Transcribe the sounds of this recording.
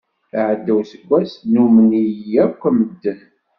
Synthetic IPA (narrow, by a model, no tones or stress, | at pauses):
əʕəd̪ːæwsəɡʷːæsnumənijjækʷːæməd̪ːən